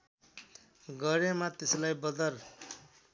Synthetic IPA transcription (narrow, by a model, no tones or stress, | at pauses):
ɡʌɾemat̪eslajbʌd̪ʌr